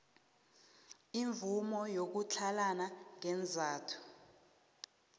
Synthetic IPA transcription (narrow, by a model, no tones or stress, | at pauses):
iɱvumɔjok̬ut͡ɬʰalanaŋɛnd͡zʱaːtʰu̥